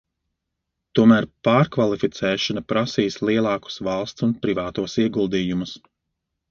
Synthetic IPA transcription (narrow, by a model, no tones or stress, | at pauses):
t̪uɔmæːɾpaːɾkvalˠifit̪sɛːʃɔnapɾasiːslˠiɛlˠɑːku̥svɑlˠst̪sunpɾivaːt̪uɔsiɛɡulˠd̪iːjumus